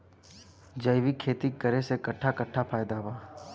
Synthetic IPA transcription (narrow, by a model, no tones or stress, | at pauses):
d͡ʒəɪʋikʰeːt̪ikəɾesekɐʈʰːakɐʈʰːapʰaːjd̪aʋaː